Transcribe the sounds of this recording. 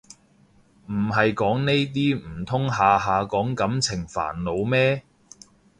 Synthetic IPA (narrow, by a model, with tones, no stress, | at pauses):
m̩˨˩ɦɐ˨jkɔː˨˥ŋne˥jt̪̬iː˥m̩˨˩t̪ʰʊ˥ŋɦaː˨ɦaː˨kɔː˨˥ŋkɐ˨˥mt͡sʰɪ˨˩ŋfa̰ː˨˩nlo˨˧wmɛː˥